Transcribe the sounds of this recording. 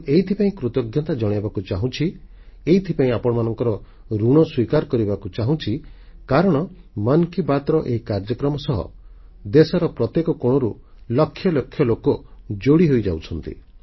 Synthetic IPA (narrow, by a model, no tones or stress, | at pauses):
eɦit̪ʰipaĩkɾut̪ɔɡʱjɔt̪ad͡ʒɔɽ̃ebakut͡ʃaɦũt͡ʃʰi | eit̪ʰipaĩapɔɽɔmanɔŋkɔɾɔ | ɾuɽ̃ɔswikaɾɔkɔɾibakut͡ʃaɦũt͡ʃʰikaɾɔɽ̃ɔmɔnkibat̪ɾɔʔeɦikaɾd͡ʒɔkɾɔmɔsɔɦɔ̰d̪esɔɾɔpɾɔt̪jekɔkoɽ̃ɔɾu | lɔkʰːjɔlɔkʰːjɔlokɔd͡ʒoɽiɦojd͡ʒa̰wt͡ʃʰɔnt̪ḭ